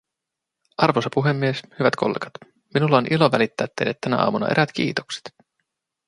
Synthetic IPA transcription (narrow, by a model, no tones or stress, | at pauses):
ʔɑrʋosɑpuɦe̞mːieshyʋæt̪kolːḛːɡ̥ɑ̥t̪ | minulːɑoːnʔiloʋælit̪ːæːt̪ːḛjlːæt̪ːænæ̰ʔɑ̰ːmunɑ̰ʔe̞̰ɾæt̪k̟ḭːt̪okse̥t̪